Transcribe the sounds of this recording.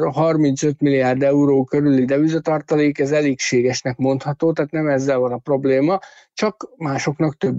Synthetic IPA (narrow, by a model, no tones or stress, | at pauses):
ɦɒrmint̪sø̞t̪milijaːrd̪ɛuɾoːkøɾylid̪ɛvizɒt̪ɒrt̪ɒleːkɛzɛleːkʃeːɡɛʃnɛkmo̞nt̪hɒt̪oːt̪aːt̪nɛmɛzːɛlvɒnɒpro̞bleːmɒ | t͡ʃɒkmaːʃo̞knɒkt̪øbː